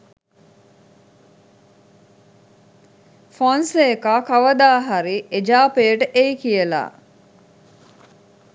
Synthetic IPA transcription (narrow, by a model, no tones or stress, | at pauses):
fansekaːkaʋəd̪aːɦaɾied͡ʒaːpejəʈəʔejkijəla̰ː